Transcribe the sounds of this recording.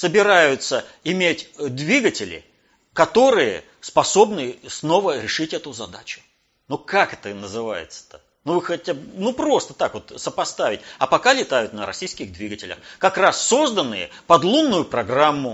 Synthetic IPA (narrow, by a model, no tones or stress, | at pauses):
səbʲɪɾajʊt̪səɪmʲetʲd̪vʲiɡətʲɪlʲɪ̰ | kɐt̪o̞ɾɨjə̰ | spɐso̞bnɨsno̞vəɾʲɪʂɨtʲɛt̪ʊzɐd̪a̰t͡ɕʊ̥ | nukakɛt̪ənəzɨva̰jɪ̰t̪sə̥t̪ə | nuvɨxɐtʲabnupɾo̞st̪ət̪akvo̞t̪səpɐst̪avʲɪtʲɐpɐkalʲɪt̪ajʊt̪nəɾɐ̰sʲijskʲɪɣd̪vʲiɡətʲɪlʲə̰xkɐkrasːo̞zd̪ənːɨjə | pɐd̪lˠunːʊjʊpɾɐɡramːʊ